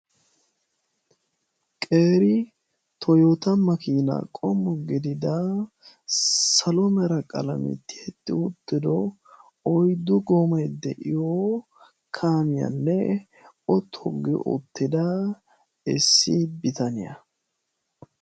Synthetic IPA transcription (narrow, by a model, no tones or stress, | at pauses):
kʼe̞ːɾɪ | t̪ʰɔjot̪ɐmɐkiːna̰kʼɔmːɔɡɪd̪ɪd̪a | sɐlɔmɛɾɐkʼɐ̰lɐ̰mɪ̰t̪ːɪɛt̪ːɪ̰ʊt̪ːɪd̪ɔ | ɔjd̪ʊɡɔmɐjd̪ɛʔɪjo | kʰaːmɪjɐ̰nːɛ | ɔt̪ʰɔɡːɪ̰ʔʊ̰t̪ːɪd̪a | ɪsːibɪt̪ɐnɪjɐ̰